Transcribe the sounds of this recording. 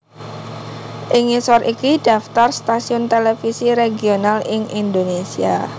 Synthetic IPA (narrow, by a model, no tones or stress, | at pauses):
ʔɪŋisɔrʔikid̥a̤ft̪arst̪asiʊnt̪elefisiɾeɡionalɪŋʔind̪onesia